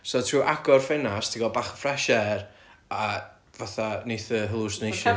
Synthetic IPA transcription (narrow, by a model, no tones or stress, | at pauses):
sɔtʰruːʔaɡɔrfɛnastʰiɡɔbaːχə̥frɛʃɛr | a | vaθanejθəɦəlˠʊsnejʃɔ